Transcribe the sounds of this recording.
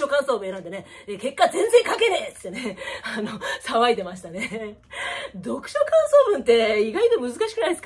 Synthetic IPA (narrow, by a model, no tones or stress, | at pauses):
o̞kãɰ̃so̞ːbɯ̃nand̪e̞ne | eːke̞kːazẽ̞nd͡ze̞kake̞ɾet͡sɨ̥t̪ːe̞ne̞anosaβaid̪e̞maɕ̬i̥t̪ane̞ | d̪o̞kɯ̟̥ɕo̞kãɰ̃so̞ːbɯ̟̃nt̪ːe̞iɡait̪o̞mɯ̟zɨkaɕi̥kɯ̟naisɨ̥k